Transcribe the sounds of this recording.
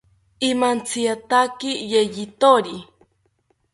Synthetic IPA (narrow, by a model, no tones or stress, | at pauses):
imant͡sʰiat̪akijejit̪oɾi